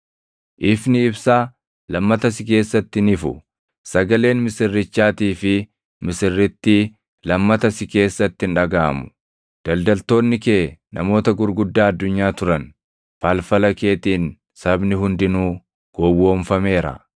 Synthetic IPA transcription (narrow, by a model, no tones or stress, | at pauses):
ʔɪfnɪɪbsaː | lɐmːɐt̪ɐs̬ɪke̞ːsːɐt̪ːɪnɪfʊ̰ | sɐɡɐle̞ːnmɪsɪrːɪt͡ʃːaːt̪iːfɪ | mɪsɪrːɪt̪ːi | lɐmːɐt̪ɐsɪke̞ːsːɐt̪ːɪnᶑɐɡaːmʊ̥ | d̪̥ɐld̪ɐlt̪o̞ːnːɪkeːnɐ̰mo̞ːt̪ɐɡʊɾɡʊd̪ːaːɐd̪ːʊɲːaːt̪ʊɾɐn | falfɐlɐke̞ːt̪iːn | sɐbnɪɦʊnd̪ɪnuː | ɡ̥oːwo̞ːɱfɐme̞ːɾɐ̰